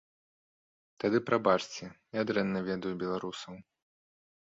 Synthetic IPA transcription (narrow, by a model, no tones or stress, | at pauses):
t̪ad̪ɨpɾabat͡ʂt͡sʲɛnʲad̪ɾɛnːɐvʲɛd̪ɐjubʲɛlˠaɾusɐw